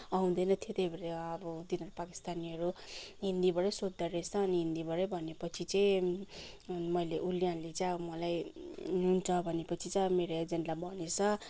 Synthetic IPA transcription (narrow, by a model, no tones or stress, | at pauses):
ʌũd̪ʌjnʌt̪ʰet̪ebʱeɾeʌbʌd̪inʌɾopaki̥st̪aniʌɾuɦind̪ibʌɾʌjsod̪ːʌresʰʌːniɦind̪ibʌɾʌjbʱʌnepʌt͡sʰit͡saj̃ | mʌjleʔuljãlet͡sajʌbʌmʌlajɦunt͡sʰʌbʱʌnepʌt͡sʰit͡sameɾoed͡zenʈlabʱʌnesʰʌ